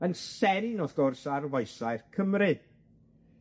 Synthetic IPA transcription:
ənsɛɾinɔθɡ̥ɔrsarvɔjsajrkʰəmrɨ

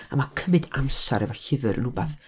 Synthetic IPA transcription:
amakʰəmɨdamsaɾɛvaɬɪvɨɾə̰nʊbaθ

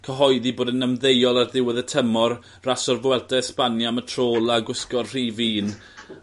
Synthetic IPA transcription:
kʰəɦɔɨðiboːdənəmðejɔlˠarðɪwəðətʰəmɔr | rasɔrvwɛldɛspanjamətʰroːlˠaɡʊskɔrr̥iːviːn

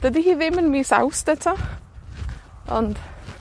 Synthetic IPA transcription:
d̥ədihiːðɪmənmisa̰wsd̥ɛtʰa | ɔ̰nd̥

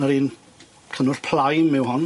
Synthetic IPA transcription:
nəɾiːn | kʰənʊr̥pʰl̥ajmɪwɦɔn

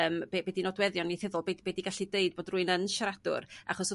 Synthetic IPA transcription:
əːmbɛbɛdinɔdwɛðjɔniθɪðʊlˠbebɛdiɡaɬideɨd̚b̥oːdruɨnənʃaɾad̥ʊ̰ra̰χɔs

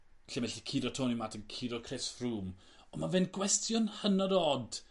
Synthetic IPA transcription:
ɬɛmɛɬikʰiɾɔtʰoːnimatʰənkʰiɾɔkʰresfruːm | ɔmavɛnɡwɛstʰjɔnhənɔɾɔd̥

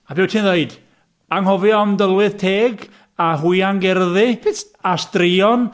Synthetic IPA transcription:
abɪːwtʰiːnðeɨd̥ | aŋɦɔvɨɔmdəlˠwɪð̥tʰeːɡ | aɦuɨaŋɡɛrðɪ | astriɔn

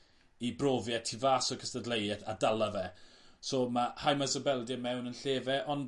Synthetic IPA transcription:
ibrovjɛtʰivaːsɔkʰəstədlejɛθadalˠavɛsoːmahajmazəbɛlˠdəmɛwnənɬeːvɛʔɔn

